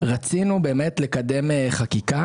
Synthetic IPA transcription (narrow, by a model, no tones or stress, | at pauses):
ʁat͡sinube̞ːme̞tle̞kade̞meχakika